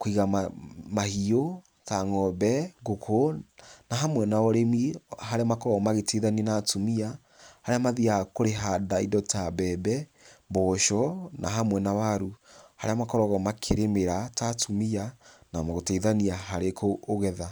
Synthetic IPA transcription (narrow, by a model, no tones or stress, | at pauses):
koiɣaamahio | taŋɔbɛɣokʰonaɦamwɛnaɔɾemiɦaɾeamakɔɔmaɣeteðaniɛnatumia | haɾeamaðiakoɾeɦadaidɔtabɛbɛ | bɔʃɔnʔaɦamwɛnawaɾuhaɾeamakɔɾɔɣɔmakʰeɾemeɾatatʰumianamaɣotaiðaniaɦaɾekoːɣɛða